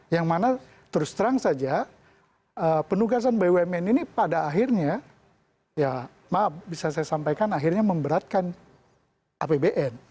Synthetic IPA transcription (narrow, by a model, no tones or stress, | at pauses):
jaŋmana | t̪əɾʊst̪əɾaŋsad͡ʒa | əpənuɡas̬anbajwemɛninipadaːɦirɲa | ja | mabisasajasampajkanaɦirɲaməmbəɾat̪̚kan | ʔapebeʔɛn